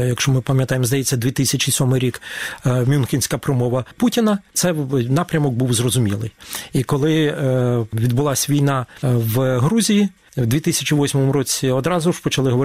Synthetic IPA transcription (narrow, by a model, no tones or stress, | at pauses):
jɐkʃt͡ʃɔmɪpɐmʲjɐt̪ɑjemzd̪ɐjɛt͡sʲːɐd̪ʲʋʲit̪ɪsʲɐt͡ʃʲisʲɔmɪjɾʲikmʲunxʲinʲsʲkɐpɾɔmɔʋɐputʲinɐt̪sɛnɑpɾʲɐmɔk̚buwzrɔzʊmʲilˠɪ̰jikɔlˠɪ | ʋʲid̪bʊlˠɑsʲʋʲijnɑʋɦɾuzʲiji | wd̪ʲʋʲit̪ɪsʲɐt͡ʃʲiʋɔsʲmɔmʊɾɔt͡sʲiɔd̪ɾɑzʊʐ̥pɔt͡ʃɐlˠɪɦɔʋɔ